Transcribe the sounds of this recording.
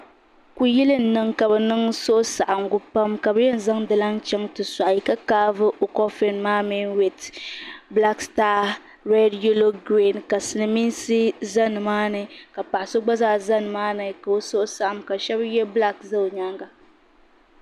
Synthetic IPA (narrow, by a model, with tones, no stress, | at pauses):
ku˨ji˦lɨ˦n̩˦nɨ˨ŋka˨bɛ˨nɨ˦ŋso˦ʔʊ˦sa˨ʔa˨mɡʊ˦pa˦mka˨bɨ˦jɛ˦n̩˦za˦ŋdɨ˨la˦ŋt͡ʃɛ˦ŋtɨ˨sa˨ʔi˨ka˦kaː˦vɨ˦ʔo˨kɔ˦fe˦nmaː˦mi˦nwɛ˨tbla˦kstaː˦ | ɾe˦di˦o˦lo˦ɡɾi˦˨nka˨sɨ˨nɨ˨mi˦nsɨ˦za˦nɨ˨maː˦nɨ˨ka˨pa˨ʔa˨so˦ɡ͡ba˦zaː˦za˦nɨ˨maː˦nɨ˨ka˨o˦so˦ʔʊ˦sa˨ʔa˨mka˨ʃɛ˦bjɛ˦bla˦kza˦˨ɲa˦ŋɡa˨